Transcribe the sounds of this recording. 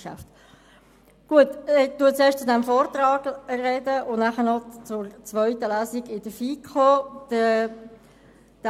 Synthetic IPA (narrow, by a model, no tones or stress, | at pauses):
ʃa̰ft | ɡ̥uətt̪uətt͡seːʃt͡sʊdɛmfoːɾt̪rɑːɡ̥rɛdəʔʊnnaχənɔt͡sʊɾt͡svœʏtəlæːsiɡɪd̥əfiːkʰoːd̥ə | d̥